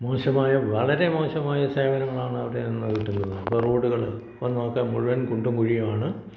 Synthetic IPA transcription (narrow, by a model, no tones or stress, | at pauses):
mo̞ːʂɐmaːjɐʋɐɭɐɾe̞mo̞ːɕɐmaːjɐseːʋɐnɐŋːɐɭaːɳɨɐʋiɽe̞nːɐʋiʈːunːɐnːɐpːoroːɽuɣɐɭ | ʋɐnːokːemuɻuʋɐnkuɳɖumkuɻijɐmaːɳɨ